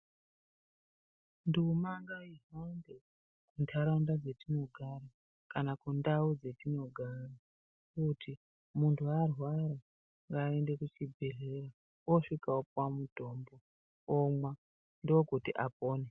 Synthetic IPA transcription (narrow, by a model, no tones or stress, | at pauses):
ndumaŋɡaiɦande | kuntʰaɾaundad͡ze̞tino̞ɡʱaɾa | kanakundaud͡ze̞tino̞ɡʱara | kutʰi | muntʰuarwaɾa | ŋɡaːende̞kut͡ʃibʱe̞ɮe̞ɾa | wo̞ʂikaop̚wamuto̞ːmbo | omwa | ndiokutiʔap̚oːne